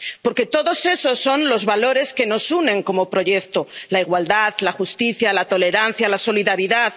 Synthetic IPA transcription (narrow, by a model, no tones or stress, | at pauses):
po̞ɾke̞t̪o̞ðo̞se̞so̞sːo̞nlo̞zβalo̞ɾe̞ske̞no̞sunẽ̞ŋko̞mo̞pɾo̞ʝe̞kt̪o̞laiɣwald̪aðlaxust̪iθjalat̪o̞le̞ɾan̟θjalaso̞liðaɾiðað